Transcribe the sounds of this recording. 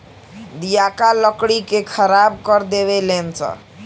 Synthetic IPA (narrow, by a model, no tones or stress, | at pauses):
d̪ijakalʌkɽikekʰʌɾab̚kʌɾd̪eβelent͡sʰʌ̰